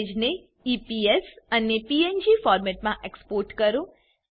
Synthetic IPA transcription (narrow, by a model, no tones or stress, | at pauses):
d͡ʒne | iːpiesɐnːepiːend͡ʒiːfaːɾmɛʈmãʔekspoːɾʈkɐɾo